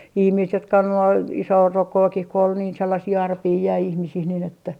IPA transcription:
ihmiːst jotkɑ on olːu ɑu isoːrokːoːkih ko ol niːn selːɑsiː ɑrpiː jæi ihmisih nin etːæ

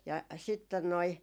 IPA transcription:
jɑ sitːen noi

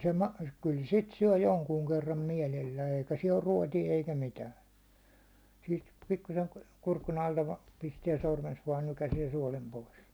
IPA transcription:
se mɑ kyl sit syæ̹ joŋkuːŋ kerːɑm mielelːæː eikæ siɛl or ruɒtie eikæ mitæːn̞ siːt pikːusen kurkun ɑltɑ ʋɑ̥ː pistiɛ sormens ʋɑːn nykæsiɛ suɒlem pois

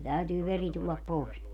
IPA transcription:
tæytyː ʋeri tulːɑp poˑes

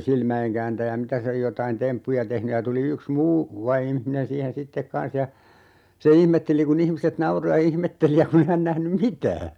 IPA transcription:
silmæeŋkæːntæjæ mitæ se jotɑin tempːujɑ tehny jɑ tuli yks muː ʋɑimihminen siːhen sitːek kɑ̃ːs jɑ se ihmetːeli kun ihmiset nɑuro jɑ ihmetːeli jɑ kun e hæn næhnym mitæː

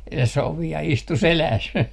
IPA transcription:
se soʋiɑ istu selæːs

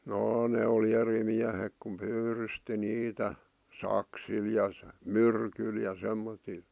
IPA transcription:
jɑː ne oli eri miæhek kum pyːrysti niːtæ sɑksil jɑ myrkyl jɑ semːotil

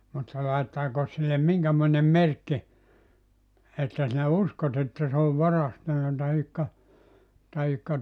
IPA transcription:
mutːɑ lɑitːɑːko silːem miŋkæmoinem̆ merkːi etːæ sinæ uskot etːæ se oʋ ʋɑrɑstɑnːɑ tɑhikːɑ tɑhikːɑ

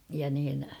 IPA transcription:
jɑ niːn

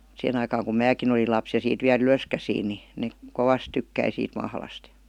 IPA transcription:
sihen ɑikɑːŋ kum mæːkin olil lɑps jɑ siːt ʋiæl yløskæsiːn ni nek koʋɑs tykːæi siːt mɑhlɑst j̊ɑ̥

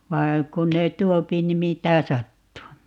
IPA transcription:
ʋɑi̯ kun ne tuopi ni mitæ sɑtːuː

